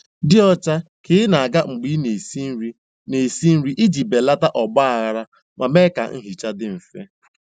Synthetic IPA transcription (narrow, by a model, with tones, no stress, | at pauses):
dɪ˦ɔ˦t͡ʃa˦ | kɪ˦ɪ˦na˨a˨ɡa˦ŋ͡m̩˨ɡ͡bi˦ne˨si˦ɾi˦ | ne˨si˦n̩˦ɾi˦ʔi˦d͡ʒi˨be˨la˦ta˦ʔɔ˨ɡ͡ba˦a˨ɣa˨ɾa˦ | ma˨me˦ka̰˨ŋ̩˦ɦi˨t͡ʃa˦dɪ˦m̩˨fe˦